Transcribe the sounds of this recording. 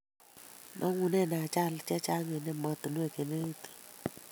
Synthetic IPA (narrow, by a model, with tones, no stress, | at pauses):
nʔɔ˦ŋu˨nɛ˦˨na˨t͡ʃa˦lt͡ʃɛ˦t͡ʃa˦ŋe˨nɛ˦mɔ˦t̪nu˦e˨ke˨ne˦i˦t̪i̥˨